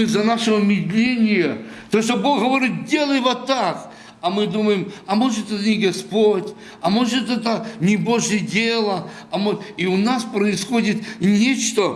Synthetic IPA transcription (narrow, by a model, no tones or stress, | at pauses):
ɨzɐnaʂəvəmʲɪd̪lʲenʲɪjət̪oʂt̪oboxɣəvɐɾʲit̪̚dʲe̞lˠəjvot̪ːak | ɐmɨd̪uməjɪmɐmoʐɨt̪ɛt̪ənʲɪɡɐspotʲ | ɐmo̞ʐɨt̪ɛt̪ənʲɪboʐjədʲelˠə | ɐmoiʊnaspɾəɪsxodʲɪt̪nʲet͡ɕt̪ə